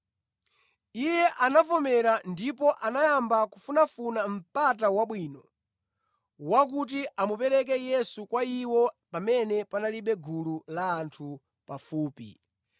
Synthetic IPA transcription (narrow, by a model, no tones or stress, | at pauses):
ijɛʔanafɔmɛɾandipɔʔanajambakufunafunam̩pat̬awaɓwiːnɔ | wak̬ut̬iʔamupɛɾɛk̬ɛjɛsukwaiwɔpamɛnɛpanaliɓɛɡululaːntʰu | pafuːpḭ